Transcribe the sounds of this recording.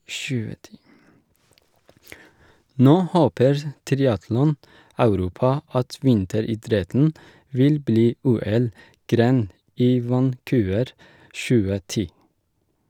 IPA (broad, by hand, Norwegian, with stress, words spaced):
ˈnoː ˈhoːpəɹ ˈtɾɪɑtlɔˌnɑʉɾuːpɑ ˈɑt ˈʋɪntəɾiːˌdɾɛtn̩ ˈʋɪl ˈbliː ˈuːɛlˌɡɾeːn ˈiː ʋɑnˈkʉːʋəɾ ˈʃʉːə ˈtiː